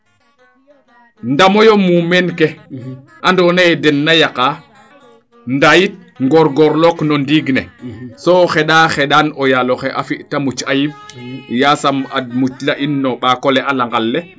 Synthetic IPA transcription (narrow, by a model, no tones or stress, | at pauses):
ndamɔjɔmumɛnkɛ | ʔandɔnaɛdɛnːajaka | ndajit̚ŋɡɔɾɡɔɾlɔknɔndiɡnɛsɔxɛɗaːxɛɗanɔjalɔxɛʔafiʔtamut͡ʃajimjasamad̚mut͡ʃlaʔinːɔɓaːkɔlɛʔalaŋɡalːɛ